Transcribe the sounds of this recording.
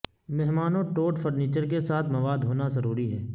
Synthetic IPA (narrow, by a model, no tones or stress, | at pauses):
mɛɦmaːnõʈoːʈfʰəɾniːt͡ʃəɾkesaːt̪ʰmɐʋaːd̪ɦoːnazɐɾuːɾiɦɛː